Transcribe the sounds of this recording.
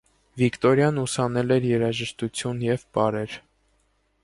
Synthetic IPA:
vikt̪ɔɾjɑnusɑnɛlɛɾjɛɾɑʒəʃt̪ut͡sʰjunjɛvbɑɾɛɾ

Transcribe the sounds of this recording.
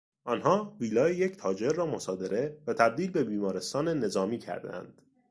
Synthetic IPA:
ʔɒnɦɒːviːlɒːejecʰt̪ʰɒːd͡ʒe̞ɾːɒːmo̞sɒːd̪e̞ɾe̞væt̪ʰæb̚d̪iːlbe̞biːmɒːɾe̞st̪ɒːne̞ne̞zɒːmiːcʰæ̰ɾd̪æ̰nd̪̥

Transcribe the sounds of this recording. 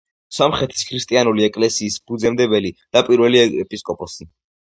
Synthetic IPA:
sɔmχɛt̪ʰi̥skʰɾist̪ʼianuliɛkʼlɛsiːsb̥ud̪zɛmd̪ɛbɛlid̪̥apʼiɾvɛliɛpʼiskʼɔpʼɔsi

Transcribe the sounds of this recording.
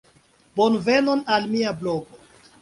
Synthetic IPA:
bonvenonalmiabloɡo

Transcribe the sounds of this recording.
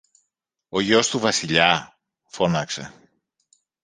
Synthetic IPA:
o̞ʝo̞st̪uvɐsiʎɐ | fo̞nɐkse̞

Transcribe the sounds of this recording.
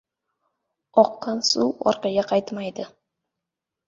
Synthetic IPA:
ɒqːɑnsuwɒ̰ɾqɑɡʲaqʰɑjt̪majd̪ɪ

